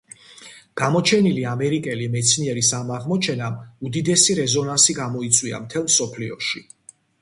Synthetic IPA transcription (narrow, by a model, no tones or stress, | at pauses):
ɡ̥amɔt͡ʃʰɛniliamɛɾikʼɛlimɛt̪sʰniɛɾisamaʁmɔt͡ʃʰɛnamud̪id̪ɛsiɾɛzɔnansiɡamɔit̪sʼwia̰mt̪ʰɛlˠmsɔpʰliɔʃi